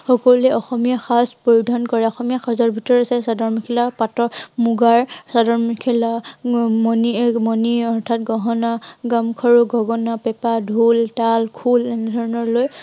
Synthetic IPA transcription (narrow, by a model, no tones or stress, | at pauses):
xɔkɔlɛɔxɔmijaxaspojudʱɔnkɔɹɛɔxɔmijaxazɔɹbʱitɔɹasɛsadɔɹmikʰilapatɔmuɡaɹsadɔɹmikʰilamɔnimɔniɔɹtʰatɡɔɦɔnaɡamkʰɔɹuɡʱɔɡɔnapɛpadʱultalkʰulɛnɛdʱɔɹɔnɔɹloj